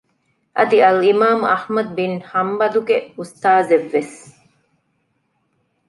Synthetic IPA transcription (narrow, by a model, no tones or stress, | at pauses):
ʔɐd̪iɐlimaːmɐhmɐd̪̚binhɐmbɐd̪uɡeust̪aːzeʋːes